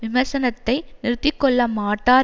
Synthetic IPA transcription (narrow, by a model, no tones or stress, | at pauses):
ʋɪmɐɾsɐnɐt̪ːɐɪnɪɾɯt̪ːɪkːɔɭːɐmaːʈːaː